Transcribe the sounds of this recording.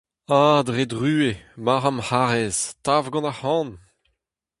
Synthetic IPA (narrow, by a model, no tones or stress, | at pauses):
ad̪ʁed̪ʁyːemaʁamhaʁɛz̥tavɡɑ̃nahɑ̃ːn